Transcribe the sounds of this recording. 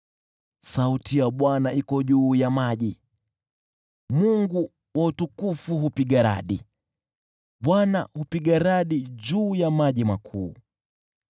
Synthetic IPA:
sautʰijaɓwanaikɔʄuːjamaʄi | muŋɡu | wautukufuɦupiɠaɾa̰ɗi | ɓwanahupiɠaɾaɗiʄuːjamaʄimakʰuː

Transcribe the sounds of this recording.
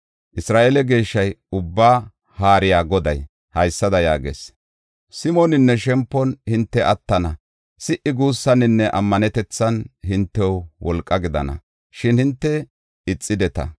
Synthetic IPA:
ʔɪsɾaːʔɛlɛɡe̞ːʃːɐjʊbːaː | haːɾɪjaːɡɔd̪ɐj | hɐjsːɐd̪ɐjaːɡḛs | sɪmɔnɪnːɛʃɛmpːɔnhɪnt̪ːɛʔɐt̪ːɐnɐ | sɪʔɪɡuːsːɐnɪnːɛʔɐmːɐnɛt̪ɛt͡sːɐnhɪnt̪ːɛwwɔlkʼːɐɡɪd̪ɐ̰nɐ̰ | ʃɪnhɪnt̪ːɛ | ɪt͡sʼːɪd̪ɛt̪ɐ̰

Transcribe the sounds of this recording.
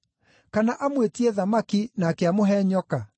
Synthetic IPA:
kanaʔamwetiɛðamakinaːkeamoɦɛɲɔka

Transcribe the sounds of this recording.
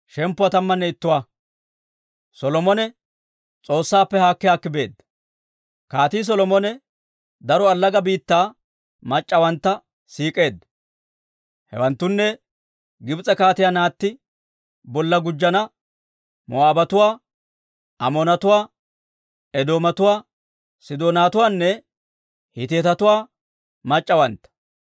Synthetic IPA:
ʃɛmpːʊwat̪ɐmːɐnːɛɪt̪ːʊwaː | sɔlɔmɔnɛ | t͡sʼo̞ːsːaːpːɛhaːkːɪjaːkːɪbe̞̰ːd̪ːɐ | kaːt̪iːs̬ɔlɔmɔnɛ | d̪ɐɾɔɐlːɐɡɐbiːt̪ːaː | mɐt͡ʃʼːɐwɐnt̪ːɐ | siːkʼe̞ːd̪ːɐ | hɛ̰wɐnt̪ːʊnːɛ | ɡɪbt͡sʼɛkaːt̪ɪjaːnaːt̪ːɪ | bɔlːɐɡʊd͡ʒːɐnɐ | mɔ̰aːbɐt̪ʊwaː | ʔɐmonɐt̪ʊwaː | ɛd̪o̞ːmɐt̪ʊwaː | sɪd̪oːnaːt̪ʊwaːnːɛ | hɪt̪eːt̪ɐt̪ʊwaː | mɐt͡ʃʼːɐwɐnt̪ːɐ̥

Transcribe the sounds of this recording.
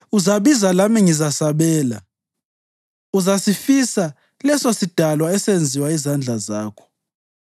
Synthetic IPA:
uzaɓizalamiŋizasaɓɛːla̰ | uzasifisa | lɛsosid̥ʱalwaɛsend͡zʱiwaizand͡ɮʱazaːkʰɔ̥

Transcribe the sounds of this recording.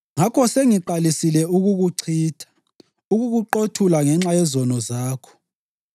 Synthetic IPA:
ŋakʰɔseŋiǃalisilɛuɣuɣuǀʰiːtʰḁ | uɣuɣuǃotʰulaŋɛŋ͡ǁajɛzɔnɔzaːkʰɔ̥

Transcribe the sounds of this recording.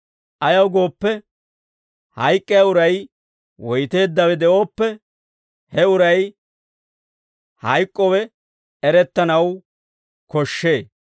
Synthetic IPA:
ʔɐjɐwɡo̞ːpːɛ | hɐjkʼːɪjaʊɾɐj | wɔjt̪e̞ːd̪ːɐwɛd̪ɛo̞ːpːɛ | hɛʊɾɐj | hɐjkʼːɔwɛ | ɛɾɛt̪ːɐnɐw | kɔʃːe̞ː

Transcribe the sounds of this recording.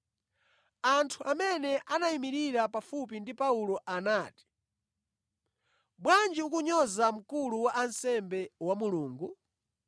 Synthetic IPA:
antʰuʔamɛnɛʔanaimiɾiɾapafup̬indipaulɔʔanaːti̥ | bwand͡ʒiukuɲɔzam̩kuluwaʔansɛmbɛwamuluːŋɡu

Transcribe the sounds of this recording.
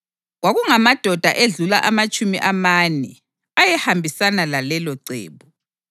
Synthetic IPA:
ɣwaɣuŋamad̥ʱɔd̥ʱa̰ʔeɮula̰ʔamat͡ʃʼʰumḭʔamanɛ̰ | ajɛhambʱisanalalɛlɔǀḛːβu

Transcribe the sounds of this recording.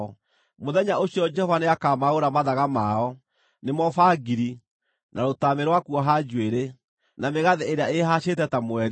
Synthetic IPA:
ɔ | moðɛɲaoɕiɔd͡ʒɛhɔvaneakaːmaoɾamaðaɣamaɔ | nemɔfaɡiɾi | naɾotameɾwakuɔɦad͡ʒweɾe | nameɣaðeʔeɾeaeɦaɕetɛtamoɛɾi

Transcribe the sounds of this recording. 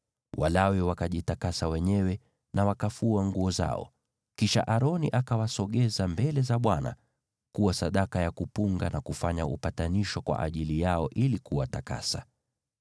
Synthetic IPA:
walawɛwakaʄitakasawɛɲɛwɛ | nawakafuaŋɡuɔza̰ɔ̰ | kiʃa̰ʔaɾɔniʔakawasɔɠɛzambɛlɛzaɓwana̰ | kuwasaɗakajakupuŋɡanakufaɲaṵpataniʃɔkwa̰ʔaʄilijaɔʔilikuwataka̰sa̰

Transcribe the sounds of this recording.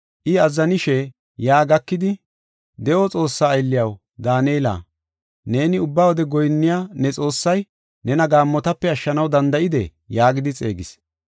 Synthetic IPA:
ʔɪɐzːɐnɪʃɛ | jaːɡɐkːɪd̪ɪ | d̪ɛʔɔt͡sʼo̞ːsːaːjlːɪjɐw | d̪aːneːla̰ː | ne̞ːnɪʊbːawɔd̪ɛɡɔjnːɪjaːnɛt͡sʼo̞ːsːɐj | nɛnɐɡaːmːɔt̪ɐpːɛɐʃːɐnɐwd̪ɐnd̪ɐʔɪd̪ɛ̰ | jaːɡɪd̪ɪt͡sʼe̞̰ːɡɪs

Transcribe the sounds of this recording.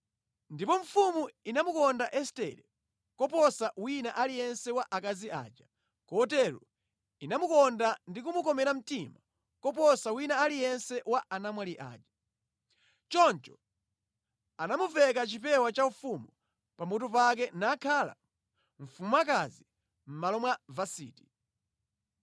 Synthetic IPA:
ndipɔɱ̩fumuinamukɔndaʔɛstɛ̰ɾɛ | kɔpɔsawinaʔalijɛnsɛwaʔakaziʔa̰ːd͡ʒa | kɔtɛɾṵ | inamukɔndandikumukɔmɛɾam̩tima | kɔp̬ɔsawinaːlijɛnsɛwaanamwaliʔa̰ːd͡ʒḁ | t͡ʃɔnt͡ʃɔ | anamuvɛkat͡ʃipɛwat͡ʃaufumɔ | pamut̬ɔpak̬ɛnakʰala̰ | ɱ̩fumuak̬azi | m̩malɔmwavasḭːti̥

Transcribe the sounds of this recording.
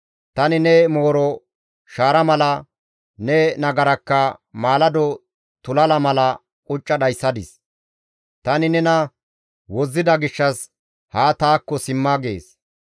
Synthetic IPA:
t̪ɐnɪnɛmoːɾɔ | ʃaːɾɐmɐlɐ | nɛnɐɡɐɾɐkːɐmaːlɐd̪ɔ | t̪ʊlɐlɐmɐlɐ | kʼʊt͡ʃʼːɐɗɐjsːɐd̪ɪs | t̪ɐnɪnɛnɐ | wɔzːɪd̪ɐɡɪʃːɐs | haːt̪aːkːɔsɪmːaɡḛːs

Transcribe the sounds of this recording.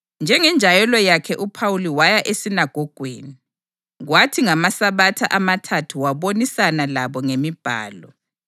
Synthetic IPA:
nd͡ʒʱɛŋɛnd͡ʒʱajɛlɔjakʰɛʔupʰawuliwajaʔesinaɡ̥ʱɔɡ̥ʱwḛːni | ɣwatʰiŋamasaβatʰaʔamatʰatʰuwaβonisanalaβɔŋemib̥ʱa̰ːlɔ

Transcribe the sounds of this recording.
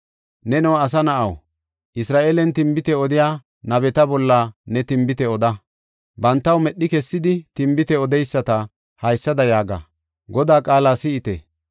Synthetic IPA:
nɛnɛwɐs̬ɐnɐʔɐw | ʔɪsɾaːʔeːlɛnt̪ɪmbɪt̪ɛɔd̪ɪjaː | nɐbɛt̪ɐbɔlːɐnɛt̪ɪmbɪt̪ɛɔd̪ɐ | bɐnt̪ːɐwmɛɗːɪkɛsːɪd̪ɪt̪ɪmbɪt̪ɛɔd̪ɛjsːɐt̪ɐ | hɐjsːɐd̪ɐjaːɡɐ̰ | ɡɔd̪aːkʼaːlaːsɪɪt̪ɛ̰

